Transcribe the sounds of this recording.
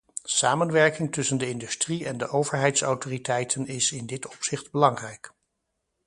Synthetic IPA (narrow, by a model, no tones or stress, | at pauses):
saːmənʋɛɹkɪŋtɵsəndəɪndystriɛndəʔowvəɹɦɛjtsa̰wtoːritɛjtʰənɪsɪndɪtɔ̥psɪχdbəlɑŋrɛjk